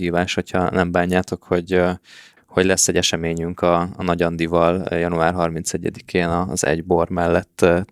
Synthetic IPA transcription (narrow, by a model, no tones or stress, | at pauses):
hiːvaːʃho̞chɒ̰nɛmbaːɲːaːt̪o̞kho̞ɟ | ho̞ɟlɛsːɛɟɛʃɛmeːɲyŋkɒːnɒɟɒnd̪ivɒljɒnuaːrɦɒrmint̪sɛɟːɛd̪ikʰeːnɒzɛ̰ɟbo̞rmɛlːɛt̪ː